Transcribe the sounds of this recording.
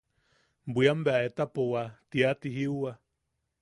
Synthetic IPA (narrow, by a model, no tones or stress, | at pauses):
mbiambeaet̪apowat̪iat̪iɦiua